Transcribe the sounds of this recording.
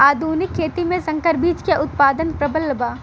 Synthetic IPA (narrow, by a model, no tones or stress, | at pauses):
aːd̪ʱuːnɪkkʰːeːt̪imẽsɐ̃ŋkəɾbiːd͡ʒkeʔʊt̪̚paːd̪ənpɾɐbəlːəbaː